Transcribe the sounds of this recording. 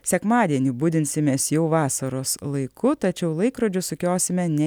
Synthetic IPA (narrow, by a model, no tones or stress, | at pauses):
sʲɛkmɑːd̪ʲiɛnʲʊbʊd̪ʲɪnʲsʲɪmʲeːsjɛʊʋɑːsɐɾoːslˠɐɪkʰʊt̪ɐt͡ʃʲɛʊlˠɐɪkɾoːd͡ʒʲʊsʊkʲoːsʲɪmʲɛnʲɛ